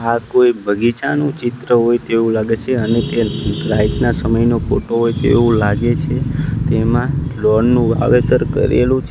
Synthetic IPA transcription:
akoibʱəɡit͡ʃanũt͡ʃɪt̪ɾəɦojt̪eʋũlaɡet͡ʃʰeənet̪eɾait̪nasəməjnopoʈoɦojt̪ḛũlaɡet͡ʃʰet̪emãlɔɳːũʋa̰ʋet̪əɾkə̰ɾḛlũt͡ʃʰ

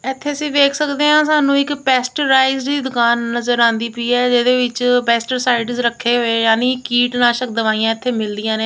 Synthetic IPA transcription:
ɛt̪ʰːeːəsĩːʋeːkʰsəkd̪eːɦãːsaːnũːɪkpɛːsʈəɾaːɪziːd̪ʊkaːnːəzəɾãːnd̪iːpiːɛːd͡ʒeːd̪eːʋɪt͡ʃpɛːsʈəɾsaːɪɖzɾəkʰːeːɦoːeːjaːniːkiːʈnãːʃək̚d̪əʋaːijãːɪt̪ʰːeːmɪld̪ɪjãːneː

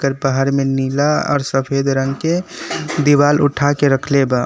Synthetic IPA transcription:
kəɾbəɦəɾmenilaɔ̰ːɾsəpʰeːd̪ɾə̃ŋɡked̪iwaːlʊʈʰakeɾəkʰleba

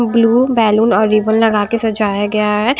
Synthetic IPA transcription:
bluːbɛːluːnɔːɾːiːbəllɐɡaːkesɐd͡ʒaːjaɡɐjaɦɛː

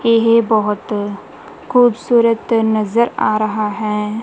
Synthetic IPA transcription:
eɦbɔɦʊt̪ | xuːbsuːɾət̪nɐzəɾaːɾɐɦaɦɛː

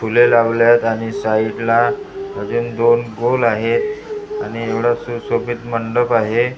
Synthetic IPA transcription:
fʰulelaʋljat̪aɽ̃isaiʈlaɦəd͡zuːnd̪onɡolaɦet̪aɽ̃ieʋɽasusobit̪məɳɖəpaɦe

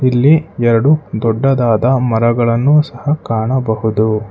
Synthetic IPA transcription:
ilːiɛɾɐɽud̪ɔɖːɐd̪aːd̪ɐmɐɾɐɡɐɭɐnːusɐhɐkaːɳɐbɐhud̪u

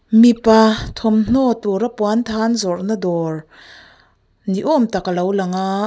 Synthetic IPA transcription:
mipat̪ʰɔmn̥ɔt̪uɾapwant̪ʰanzɔrʔnad̪ɔr | niʔɔmt̪akalowlaŋa

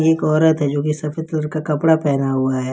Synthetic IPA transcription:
eːkɔːɾət̪ɦɛd͡ʒoːkisɐfət̪ləɾkakɐpɽapɛːnaɦuaɦɛː

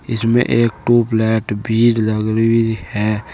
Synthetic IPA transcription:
ɪsmḛ̃ʔeːkʈuːplɛːʈbʱiːɾləɡɾihɛː

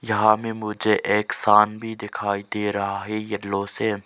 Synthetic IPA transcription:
jɐɦãːmẽmʊd͡ʒʱeʔeːksaːnbʱid̪ɪkʰaːid̪eːɾɐɦaːɦejɐɖlõːseː

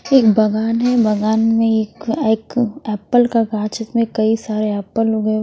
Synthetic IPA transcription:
eːkbɐɡaːnɦɛbɐɡaːnmẽeːkeːkɛːpəlkaɡaːt͡ʃɪt̪mẽkɐisaːɾeɛːpəloɡɐ

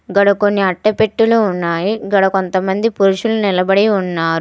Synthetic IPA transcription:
ɡɐɽɐkonːiɐʈːɐpe̞ʈːuluːnːaːjiɡɐɽɐko̞nt̪ɐmɐnd̪ipuɾuʃulunilɐbɐɽiunːaːɾu

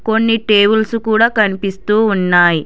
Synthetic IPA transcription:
ko̞nːiʈe̞ːbulsukuːɽaːkɐnipist̪uːunːaːji

